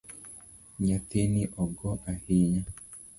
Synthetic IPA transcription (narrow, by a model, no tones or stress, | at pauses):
ɲat̪eniʔɔɡɔʔahiɲa